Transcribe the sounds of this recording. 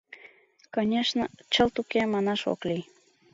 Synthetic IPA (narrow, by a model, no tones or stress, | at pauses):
konʲeʃnət͡ɕəlt̪ukemɑnɑʃo̰klij